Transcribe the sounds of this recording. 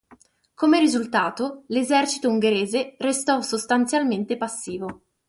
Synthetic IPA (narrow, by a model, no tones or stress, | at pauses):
komeɾizult̪aːt̪olezɛrt͡ʃi̥t̪ouŋɡeɾeːzerest̪ɔsost̪ant̪sjalment̪epasːiːvo